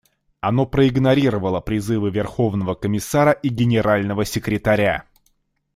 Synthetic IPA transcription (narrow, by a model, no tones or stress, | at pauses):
ɐno̞pɾəɪɡnɐɾʲiɾəvəlˠəpɾʲɪzɨvɨvʲɪrxo̞vn̪əvəkəmʲɪsaɾəʔiɡʲɪnʲɪɾalʲnəvəsʲɪkɾʲɪt̪ɐɾʲa̰